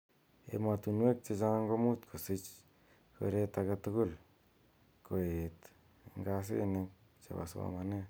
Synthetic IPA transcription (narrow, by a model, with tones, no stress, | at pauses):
ḛ˨ma˧t̪u˧nwe˦k̚t͡ʃe˧t͡ʃa˦ŋɡo˦mu˦t̪kʰo˨si˦t͡ʃ | ko̰˨ɾe˦t̪a˧ka˧t̪u˧ɡʊ˦˨l | ko˨e˨t̪ | ŋɡa˧s̬ḛ˦˧ne˧k̚t͡ʃa̰˨ba̰˨sa̰˧ma˧ne˦